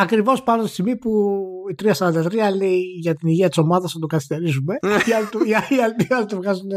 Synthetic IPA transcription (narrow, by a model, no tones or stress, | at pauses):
ɐkɾivo̞spɐnot̪ist̪iɣmipuit̪ɾiɐsɐɾɐnd̪ɐt̪ɾiɐleiʝɐt̪iniʝiɐt̪iso̞mɐðɐsɐt̪oɡɐθist̪e̞ɾizume̞iɐlt̪uiiɐlt̪iɐlt̪uvɣɐzune